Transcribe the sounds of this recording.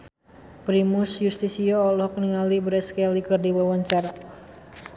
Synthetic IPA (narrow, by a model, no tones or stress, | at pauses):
pɾimʊsjust̪isiɔːlɔk̚niŋalibɾɛskɛlikɨrdiwawaɲt͡ʃaɾa